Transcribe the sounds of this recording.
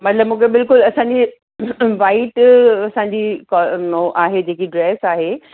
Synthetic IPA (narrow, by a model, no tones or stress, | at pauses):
mɐt̪ləbmũːkʰebɪlkʊlɐsãɲd͡ʑi | ʋaːiʈɐsãɲd͡ʑikɔnoʔaːɦed͡ʑeːkiɖɾɛːsaːɦe